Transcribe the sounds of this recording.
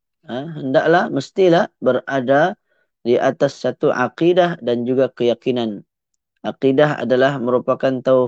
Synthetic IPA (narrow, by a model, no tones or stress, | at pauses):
əɦəndaʔlahməst̪ilahbəɾada | diʔat̪asːat̪uʔa̰qidahdand͡ʒuɡakəjakinan | ʔaqidaɦa̰dalahməɾupakant̪aw